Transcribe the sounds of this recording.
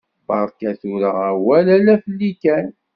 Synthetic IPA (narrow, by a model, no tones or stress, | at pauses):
bɑɾˤkæθuɾəʁæwælælæfəlːikæn